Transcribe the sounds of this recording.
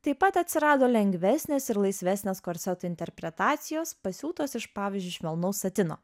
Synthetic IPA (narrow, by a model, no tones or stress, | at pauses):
t̪ɐɪpːɐt̪ɐt̪ʲsʲɪɾɑːd̪oːlʲɛŋʲɡʲʋʲæsʲnʲeːsɪɾlˠɐɪsʲʋʲæsʲnʲeːskoːɾʲsʲɛt̪uɪnʲt̪ʲɛɾʲpʲɾʲɛt̪ɑːt̪sʲɪjoːspɐsʲuːt̪oːsɪʃpɑːʋʲɪːzʲd͡ʒʲʊɪʃʲʋʲɛlˠnoʊsɐt̪ʲɪno̰ː